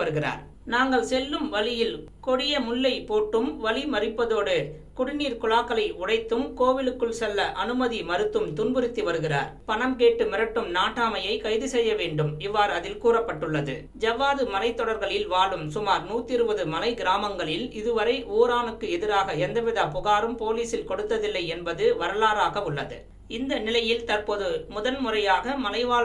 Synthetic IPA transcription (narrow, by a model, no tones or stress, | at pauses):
ʋɐɾɯɣɪra̰ːɾ | naːŋɡɐɭsɛlːɯmʋɐlɪjɪl | kɔɽɪjɐmʊɭːɐɪpoːʈːɯmʋɐlimɐɾɪpːɐðoːɽɯ | kʊɽɪniːɾkʊlaːkːɐlɐɪʊɽɐɪt̪ːɯmkoːʋɪlɯkːɯɭsɛlːɐʔɐnɯmɐðimɐɾɯt̪ːɯmt̪ʊnbɯɾɪt̪ːɯʋɐɾɯɣɪra̰ːɾpɐɳɐmkeːʈːɯmɪɾɐʈːɯmnaːʈːaːmɐjɐɪkɐɪðɯsɛjːɐʋeːɳɖɯmɪʋːaːɾɐðɪlkuːrɐpːɐʈːɯɭːɐðɯ̰ | d͡ʒɐʋaːðɯmɐlɐɪt̪ːɔɽɐɾɣɐɭɪlʋaːɭɯmsʊmaːɾnuːt̪ːɪɾɯbɐðɯmɐlɐɪɡɪɾaːmɐŋɡɐɭɪlɪðɯʋɐɾɐɪʔoːɾaːnɯkːɯɛðɪɾaːɣɐɛnd̪ɐʋɪðaːpʊɣaːɾɯmpoːliːsɪlkɔɽɯt̪ːɐðɪlːɐɪɛnbɐðɯʋɐɾɐlaːɾaːɣɐɯɭːɐðɯ̰ | ɪnd̪ɐnɪlɐjɪlt̪ɐɾpoːðɯmʊðɐnmʊrɐjaːɣɐmɐlɐɪʋaː